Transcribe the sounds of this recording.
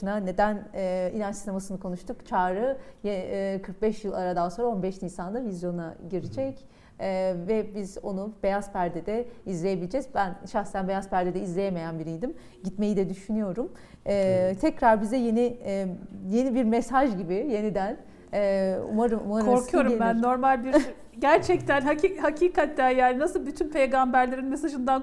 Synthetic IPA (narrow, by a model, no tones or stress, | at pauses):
nane̞d̪ænɛinʲant͡ʃsinemasɯnɯkʰonuʃt̪ʰukt͡ʃʰaːɾɯjekʰɯɾk̚bɛʃjɯlˠaɾad̪anso̞nɾao̞nbɛʃnihsanˠavizjo̞naɟiɾid͡ʒɛcː | vɛbizo̞̰nub̥e̞jaz̥pʰæɾd̪ɛd̪ɛizlʲeje̞bilʲed͡ʒɛzbænʃaxset̪ʰænbe̞jazpæɾd̪ed̪ɛizlʲejeme̞jænbiɾijd̪im | ɟit̪me̞jid̪ɛd̪yʃynyjo̞ɾum | ɛːt̪ʰɛcɾaɾbizɛje̞ni | je̞nibiɾmesaʒɟibije̞nid̪ænː | ṵmaɾɯmṵmakɾoɾkʰujo̞ɾumbænːo̞ɾmalʲbiɾ | ɟæɾt͡ʃʰɛc̚t̪ʰænhaihacʰiːkʰat̪ʰːænjaːninasɯlˠbyt̪ʰynpʰe̞jɡambæɾlʲeɾinmesaʒɯnd̪an